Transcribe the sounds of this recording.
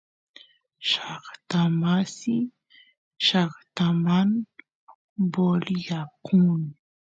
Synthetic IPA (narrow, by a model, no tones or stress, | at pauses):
ʃaχt̪amasɪ | ʃaχt̪aman | boljakʰʊn